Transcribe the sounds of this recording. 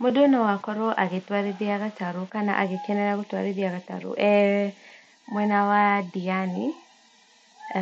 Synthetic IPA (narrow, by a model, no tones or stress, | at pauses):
modonɔwakɔɾoʔaɣetwaɾeðiaɣataɾukana̰ʔaɣekɛnɛɾaɣutwaɾeðiaɣata̰ɾo̰ʔɛ | mwɛnawadiani